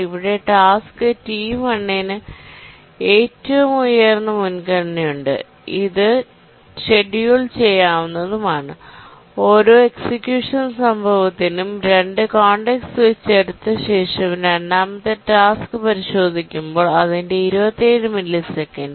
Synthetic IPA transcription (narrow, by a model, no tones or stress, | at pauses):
iʋiɽe̞ʈaːskɨtiːmɐɳːenɨ | eːtːɐʋumujːɐrnːɨmunkɐɻɐnːijuɳɖɨ̰ | iðɨ | ɕe̞ɖijuɭt͡ɕe̞jːaːʋunːɐðumaːɳɨ | o̞ːɾo̞ːe̞ksikjuːʂɐnsɐmbʱɐʋɐt̪ːinumɾe̞ɳɖɨkaːɳɖeksɨʋet͡ɕːeɽut̪ːɨɕe̞ːʂɐmɾɐɳɖaːmɐt̪ːeʈaːskɨpɐɾiɕo̞ːd̪ʱikʲːumbo̞ːɭɐðinde̞iɾubɐt̪ːieːɻɨmɐnilisekːɐnd